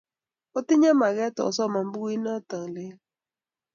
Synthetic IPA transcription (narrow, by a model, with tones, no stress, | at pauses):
o˦tɪ˦ɲa˦ma˨ɡɛ˦tɔ̰˨sɔ˦˨ma˨m˦bu˦i˦nɔ˦tə˨ŋlɪ˦